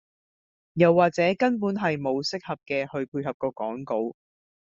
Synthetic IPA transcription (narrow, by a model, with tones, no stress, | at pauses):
jɐ˨wːaː˨k̚t͡sɛː˨˥kɐ˥np̬uː˨˥nɦɐ˨jmo˨˧wsɪ˥k̚hɐ˨p̚kɛː˧hɵ˧ɥpʰuː˧ɦɐ˨p̚kɔː˧kɔː˨˥ŋko˨˧w